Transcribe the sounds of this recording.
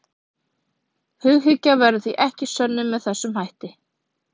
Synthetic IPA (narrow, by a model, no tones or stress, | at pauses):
hʏɣɦʏcːavɛɾʏθviʔɛhcɪsœnːʏmːɛðθɛsːʏmɦajht̪ɪ